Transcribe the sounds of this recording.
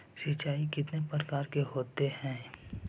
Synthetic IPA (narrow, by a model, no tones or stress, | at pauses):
sɪt͡ʃaːikɪt̪nepɾəɾəkaːɾkeɦoːt̪ehɛ̃ː